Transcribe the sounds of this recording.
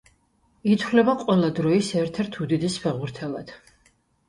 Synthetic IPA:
it̪ʰvlɛbaqʼwɛlˠad̪ɾɔisɛɾt̪ʰɛɾt̪ʰud̪id̪ispʰɛʁuɾt̪ʰɛlˠad̪̥

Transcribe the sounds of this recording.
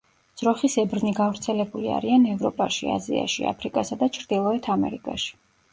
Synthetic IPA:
dz̥ɾɔχisɛbɾniɡavɾt̪sʰɛlɛbulia̰ɾianɛvɾɔpʼaʃia̰zia̰ʃia̰pʰɾikʼasad̪at͡ʃʰɾd̪̥ilˠɔɛt̪ʰamɛ̰ɾikʼa̰ʃi̥

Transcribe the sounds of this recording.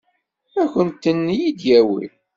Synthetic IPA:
æçənt̪ːənːjid̪jæwḭl

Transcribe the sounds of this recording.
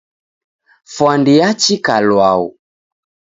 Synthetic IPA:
fwandiat͡ʃikalwaṵ

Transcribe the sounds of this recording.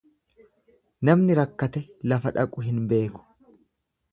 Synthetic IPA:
nɐmnɪɾɐkːɐt̪ɛlɐfɐᶑɐkʼʊɦɪnbe̞ːkʊ̥

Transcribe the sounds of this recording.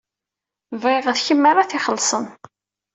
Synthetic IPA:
vʁeʁəðçəmːaɾaθɪχəlːsˤən

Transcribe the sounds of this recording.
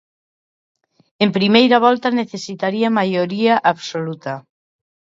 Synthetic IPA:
empɾimejɾaβ̞ɔlt̪ɐneθesit̪aɾiamajoɾiaʔaβsolut̪a

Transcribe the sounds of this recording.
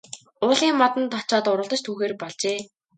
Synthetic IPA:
ʊːɮiːŋːɔt̪ə̆nt̪ʰɔt͡ɕɔːt̪ʊɾə̆ɮt̪ə̆t͡ɕt̪ʰuːxeːrpɔɮt͡ɕeː

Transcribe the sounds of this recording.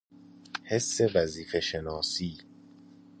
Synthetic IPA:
he̞sːe̞væziːfe̞ʃenɒːsiː

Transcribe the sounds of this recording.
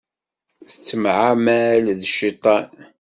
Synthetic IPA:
θət͡sːəmʕamælðəʃːit̪ˤɑn

